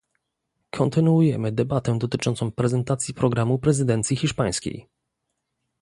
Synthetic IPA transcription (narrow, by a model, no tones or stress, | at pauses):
kʰɔnt̪ɘnuujɛmɘd̪ɛbat̪ɛd̪ɔt̪ɘt͡ʂɔnt̪sɔ̃w̃pɾɛzɛnt̪at̪sʲjipɾɔɡɾamupɾɛzɘd̪ɛnt̪sʲjixʲiʂpaj̃skʲḛj